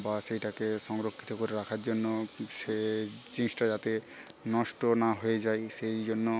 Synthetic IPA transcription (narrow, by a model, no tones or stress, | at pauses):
baʃejʈakeʃɔŋɾokʰːi̥t̪okoɾeɾakʰaɾd͡ʑonːoʃet͡ɕinsʈad͡ʑat̪e | nɔʃʈonaɦojed͡ʑajʃejd͡ʑonːo